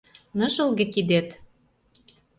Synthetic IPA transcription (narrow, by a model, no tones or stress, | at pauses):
nɤ̆ʒə̆lɣĕkid̪et̪